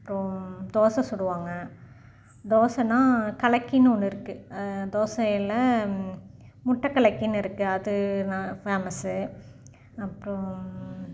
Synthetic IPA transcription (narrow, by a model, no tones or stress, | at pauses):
ɐɐpːɯɾõd̪oːsɐ̃sɔɽɯʋaːŋɡɐ | d̪oːsɐnãːkɐɭɐkːinːɯɔnːɯɪɾɯkːɯd̪oːsɐjɪlɐ | mʊʈːɐkːɐɭɐkːinɪɾɯkːɯɐðɯnãfeːmɐsɯ | ɐpːɯɾõ